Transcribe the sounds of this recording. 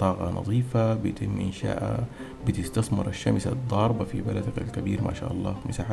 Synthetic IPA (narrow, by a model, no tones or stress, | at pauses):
t̪ˤɑːɣɑnɑ̰ðˤiːfabɪjt̪ɪmːʔɪnʃa̰ːʔa̰ | bɪt̪ɪst̪ɑsˤmɪɾˤʔaʃːamsa̰d̪ˤːɑːɾˤbɑfibalad̪aka̰lkabiːɾmʔa̰ʃa̰ːʔɑlˤːɑ̰ːmɪsaːħa